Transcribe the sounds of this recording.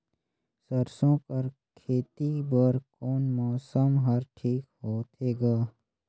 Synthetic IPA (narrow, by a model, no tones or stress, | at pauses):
səɾsõːkəɾ | kʰeːt̪ibəɾkoːnmɔːsəmɦɐɾʈʰiːkhoːt̪eːɡaː